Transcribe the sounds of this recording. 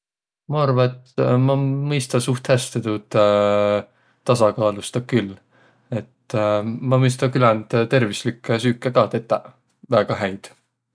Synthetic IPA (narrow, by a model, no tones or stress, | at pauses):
mɑɑrvɑet̪mɑmɤjst̪ɑsuht̪hæst̪et̪ut̪ | t̪ːɑsɑkɑːlust̪ɑkylː | e̞t̪ːmɑmɤjs̬t̪ɑkylænd̪̥t̪e̞rvislikːˑesyːkːˑekɑːt̪et̪ːˑɑ | væːɡ̥ɑɦæjd̪̥